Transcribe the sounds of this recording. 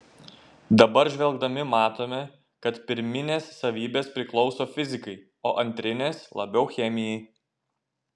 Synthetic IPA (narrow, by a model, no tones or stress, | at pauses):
d̪ɐbɐɾʒʲʋʲɛlˠɡd̪ɐmʲɪmɑːt̪oːmʲɛ | kɐt̪pʲɪɾʲmʲɪnʲeːsːɐʋʲiːbʲeːspʲɾʲɪklˠɒʊsoːfʲɪzʲɪkɐɪ | oːʔɐnʲt̪ʲɾʲɪnʲeːslˠɐbʲɛʊxʲɛmʲɪjɛɪ